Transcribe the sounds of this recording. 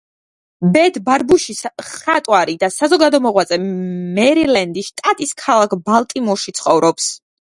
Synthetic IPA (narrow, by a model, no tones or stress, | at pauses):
bɛt̪ʰbaɾbuʃisχat̪ʼwaɾid̪asazɔɡad̪ɔmɔʁwat̪sʼɛmɛɾilɛnd̪iʃt̪ʼat̪ʼiskʰalˠakʰbalˠt̪ʼimɔʃit̪sʰχɔvɾʔɔps